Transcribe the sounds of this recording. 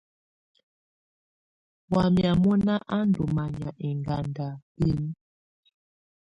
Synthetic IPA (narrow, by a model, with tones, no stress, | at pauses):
wa˨mja˨mɔ˦na˦ʔa˦ndu˨ma˨ɲa˨ʔe˨ŋɡa˨nda˨bi˦ni˦